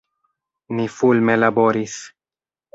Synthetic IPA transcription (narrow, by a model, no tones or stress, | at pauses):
nifulme̞labo̞ɾis